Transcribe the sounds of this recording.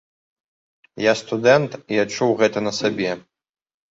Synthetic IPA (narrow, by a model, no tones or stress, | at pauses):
jast̪ud̪ɛnt̪iat͡ʂuwɣɛt̪ɐnɐsabʲɛ